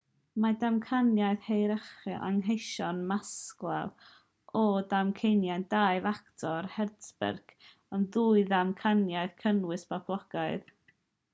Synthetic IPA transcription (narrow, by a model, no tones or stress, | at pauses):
madamkʰanjaɨðhejɾəχɨʔa̰ŋɦejʃɔnmasklˠɛ̰lˠ | ʔɔdamkʰejnjajnd̥aːjvaktʰɔrhɛdsbɛ̰rɡ̥ | əmðuːɨðamkʰanjaɨðkʰənwɨspapʰlˠɔɡ̥aɨð